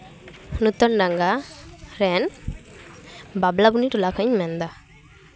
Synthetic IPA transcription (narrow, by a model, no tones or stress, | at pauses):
nut̪ɔnɖaŋɡaɾɛn | bablabuniʈulakʰəɲmɛnd̪a